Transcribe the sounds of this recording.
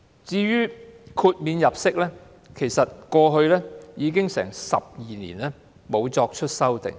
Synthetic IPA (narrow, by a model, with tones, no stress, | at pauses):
t͡siː˧ɥyː˥kʰuː˧t̚miː˨˧njɐ˨˩p̚sɪ˥k̚lɛː˥ | kʰe˨˩jsɐ˨t̚kɔː˧ɦɵ˧ɥlɛː˥jiː˨˧k̬ɪ˥ŋsɛ̰ː˨˩ŋsɐ̰˨p̚jiː˨nḭː˨˩nɛː˥ | mo˨˧wt͡sɔː˧k̚t͡ʃʰɵ˥t̚sɐ˥wt̪ɪ̰˨˩ŋ